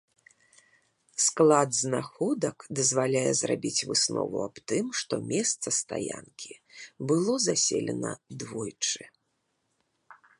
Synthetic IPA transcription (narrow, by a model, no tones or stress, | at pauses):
sklˠad̪znaxɔd̪ɐkd̪ɐzvalʲajɛzɾabʲit͡sʲvɨsnɔ̰vuapt̪ɨmʂt̪ɔmʲɛst̪sɐst̪ajankʲibɨlˠɔzasʲelʲɛ̰nɐd̪vɔjt͡ʂɨ